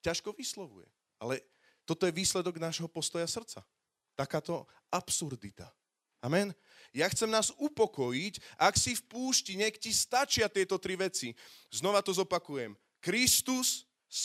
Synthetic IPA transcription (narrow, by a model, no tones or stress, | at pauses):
caʃkɔʋislɔʋṵjɛ̰ | a̰lɛ | t̪ɔt̪ɔjɛʋiːslɛd̪ɔɡnaʒɦɔpɔst̪ɔjasr̩t͡sa̰ | t̪akaːt̪ɔ | ʔapsuɾd̪it̪a̰ | amɛn | jaxt͡sɛmnaːzupɔkɔjicʔaksifpuːʃciɲɛkcist̪at͡ʃɪat̪ɪɛt̪ɔt̪ɾiʋɛt͡siznɔʋat̪ɔzɔpakujɛm | kɾist̪us